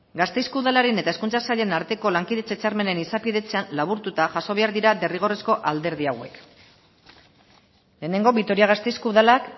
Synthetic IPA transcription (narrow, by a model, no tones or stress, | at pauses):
ɡast̪ejskuðalaɾe̞ne̞t̪ae̞skunt͡sasaʎe̞naɾt̪e̞ko̞laŋkiðe̞t͡set͡saɾme̞ne̞nisapiðe̞t͡se̞anlaβ̞uɾt̪ut̪aʝaso̞β̞e̞aɾðiɾad̪e̞riɣ̞o̞resko̞ʔald̪e̞ɾðiawe̞k | le̞ːne̞ŋɡo̞βit̪o̞ɾiaɣast̪e̞jskuðalak